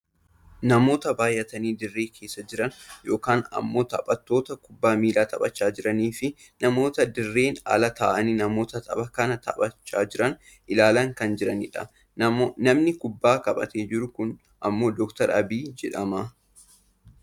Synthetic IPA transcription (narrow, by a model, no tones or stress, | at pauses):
nɐmo̞ːt̪ɐbaːjʔɐt̪ɐniːd̪ɪrːe̞ːkʰeːsːɐd͡ʒɪɾɐnjo̞ːkaːnɐ̰mːo̞ːt̪ɐpʼɐt̪ːo̞ːt̪ɐkʊbːaːmiːlaːt̪ɐbʼɐt͡ʃːaːd͡ʒɪɾɐniːfɪ | nɐmo̞ːt̪ɐd̪ɪrːe̞ːnɐ̰lɐt̪aːʔɐninɐmo̞ːt̪ɐt̪ʰʼɐ̰bɐkɐnɐt̪ɐ̰bɐt͡ʃːaːd͡ʒɪɾɐn | ʔɪlaːlɐŋkɐnd͡ʒɪɾɐnɪᶑɐ | nɐmnɪkʊbːaːkɐɓɐ̰t̪eːd͡ʒɪɾʊkʊn | ʔɐmːo̞ːd̪ɔkt̪ɐɾɐ̰biːd͡ʒɛᶑɐmɐ